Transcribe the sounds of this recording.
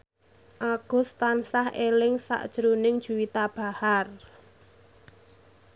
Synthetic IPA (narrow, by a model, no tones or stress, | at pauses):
ʔaɡ̥ɔ̤st̪ansahelɪŋsa̰ʔd̥ʒ̥əɾunɪŋd̥ʒ̥ṳwit̪ab̥a̤har